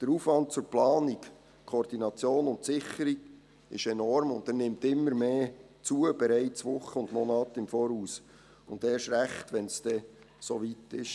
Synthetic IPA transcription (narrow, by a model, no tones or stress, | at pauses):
d̥əɾuːfʋɑnt̚t͡sʊɾplɑːnik | kʰoːrd̥inɑt͡sjoːnʊntsɪχəɾiɡ | ɪ̰ʃɛnɔɾmʊndɛrnɪmtɪmːəɾmeː | t͡suəb̥ɛɾɛɪt͡sʋʊχːəʊndmɔnɑːtɪmfɔːɾhuːs | ʊndeːʃɾæχtʋɛnsd̥ɛ | soʋitɪʃ